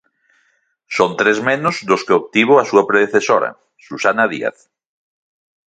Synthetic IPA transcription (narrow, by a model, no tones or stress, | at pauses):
sont̪ɾezmenʊzðʊskeok̚t̪iβ̞oasuɐpɾeðeθesoɾɐ̰ | susanaðḭa̰θ